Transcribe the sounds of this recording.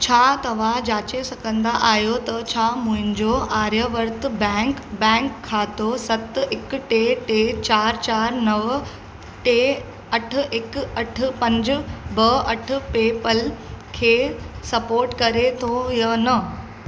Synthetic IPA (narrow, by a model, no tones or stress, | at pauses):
t͡ɕʰaːt̪ɐʋ̤ãd͡ʑaːt͡ɕesɐɡə̃nd̪aʔaːɦjot̪ɐt͡ɕʰamʊ̃ɦɪ̃ɲd͡ʑoʔaːɾjəʋəɾt̪bɛkbɛ̃ːŋkʰːaːt̪osɐt̪ɪkʈeʈet͡ɕaːɾt͡ɕaːɾnɐʋ | ʈe | ɐʈ̆ʰɪkɐʈʰpɐ̃ɲd͡ʑbɐɐʈ̆ʰpeːpəlkʰeːsɐpoːɾʈkɐɾet̪ʰojənɐ